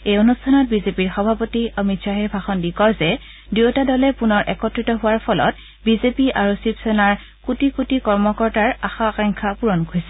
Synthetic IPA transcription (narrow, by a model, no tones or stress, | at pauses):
ejonustʰanɔt̚bizepiɹxɔbʱapotiəmitsaɦɛbʱaxɔndikɔɹzɛ | dutadɔlɛpunɔɹʔɛkɔtɹitɔɦʊwaɹpʰɔlɔ̰t | bizepiʔaɹusipsɔnaɹ | kutikutikɔɹmɔkɔɹtaɹaxakaŋkʰapuɹɔnɡʰʱojsɛ